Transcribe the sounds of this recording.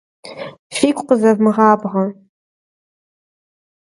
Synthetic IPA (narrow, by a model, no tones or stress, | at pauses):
fiːkʷʼqəzɐvmɨʁɑːbʁɐ